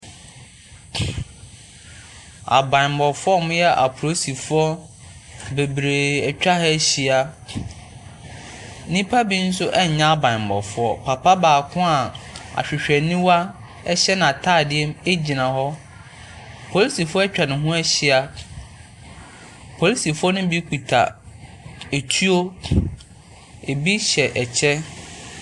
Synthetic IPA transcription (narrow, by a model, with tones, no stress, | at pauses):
a̰˨bã˨mbɔ˨fʊ˦ɔ˦mʊ̃˦jɛ˦ʔa̰˨pʰʊ˨ɾo˦si˨fʊ˦ɔ˦ | be˨bɾe˨ɛ˨t͡ɕᶣa˦hɛ˦ɕi˦a˦ | nĩ˦pʰa˦bi˦n̩˦sʊ˦ʔɛ˦ɲ˨ɲã˦a˦bã˨m˨bɔ̰˨fʊ˦ɔ˦pʰa˨pʰa˦baː˨kʰʊ̃˦a˨a̰˨ɕᶣɪ˨ɕᶣɛ˨nĩ˦wa˦ | ɛ˦ɕɛ˦nã˨a˨tʰaː˦˨dɪ˦ɛ˦me˦d͡ʑi˨nã˨ɦɔ˦ | pʰo˨li˦si˨fʊ˦ɔ˦ɛ˦t͡ɕᶣɾa˨nɪ̃˨ɦũ˦ɛ˦ɕɪ˦a˨ | pʰo˨li˦si˨fʊ˦ɔ˦nʊ̃˦bi˦kʰu˨tʰa̰˨ | e˨tʰu˦o˦ | e˨bi˦ɕɛ˨ʔɛ˨t͡ɕʰɛ˦